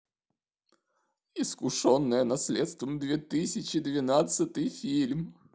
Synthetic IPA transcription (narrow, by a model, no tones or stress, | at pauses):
ɪskʊʂonːəjənɐsʲlʲet̪st̪vəmd̪vʲet̪ɨsʲɪt͡ɕɪd̪vʲɪnat̪sɨt̪ɨjfʲilʲm